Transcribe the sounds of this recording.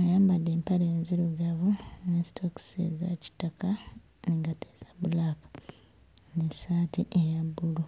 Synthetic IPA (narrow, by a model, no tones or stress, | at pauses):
ajaːmbadːe̞ːmpaɾe̞ːnziɾuɡaβunesi̥tʰoki̥sḛzaci̥taka | niŋɡatez̥aβulakḁ | nesaːtiʔejabːulu